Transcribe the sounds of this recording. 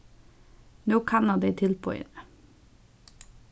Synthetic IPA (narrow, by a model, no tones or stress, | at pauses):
noːkʰɑnɑd̪eɪt̪ʰɪlpʰo̰ːḛnə